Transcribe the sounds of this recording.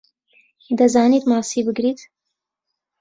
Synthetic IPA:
id̪ɐzɑːnit̪mɑːsiːbɨɡɾiːt̪

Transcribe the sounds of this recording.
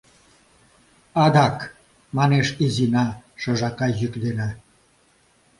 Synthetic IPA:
ɑd̪ɑk | mɑneʃizinɑʃɤ̆ʒɑkɑjykd̪enɑ

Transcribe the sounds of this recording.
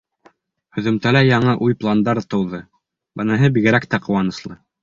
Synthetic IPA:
hɵ̆ðɵ̆mt̪ælæjɑɴɤʔujplˠand̪ɑɾt̪ɤ̆wðɤ | bɤ̆nɤ̆ɦɤbiɡɘ̆ɾækt̪æqŏwɑnɤ̆slˠɤ

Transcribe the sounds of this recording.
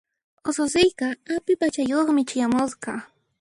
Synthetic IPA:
osos̬ɪjqɑapɪpat͡ʃajoχmɪt͡ʃajamosqɑ

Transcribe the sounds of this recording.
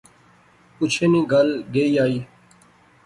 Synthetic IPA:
ʊt͡ʃʰeːnĩːɡəlɡeːiːaːiː

